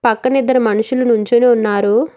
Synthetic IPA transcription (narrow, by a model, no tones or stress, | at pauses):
pɐkːɐnid̪ːɐɾɐmɐnuʃulɐnuɲt͡ʃeneːunːaːɾu